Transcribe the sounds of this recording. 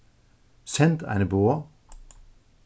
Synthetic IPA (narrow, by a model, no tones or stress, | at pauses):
sɛnt̪ʰæ̰ɪnəboːɐ